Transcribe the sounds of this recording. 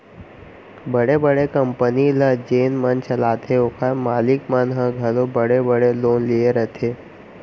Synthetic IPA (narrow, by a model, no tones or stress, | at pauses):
bəɽebəɽekəmpəniləd͡ʒeːnmənt͡ɕɐlaːt̪ʰeokʰamaːlikmənɦəɡʱəlobəɽebəɽeloːnlieɾət̪ʰe